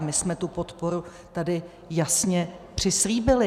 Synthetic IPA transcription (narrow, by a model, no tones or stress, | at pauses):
mɪsmɛt̪upo̞t̪po̞ɾu | t̪adɪ | jasɲɛpr̝̥ɪsliːbɪlɪ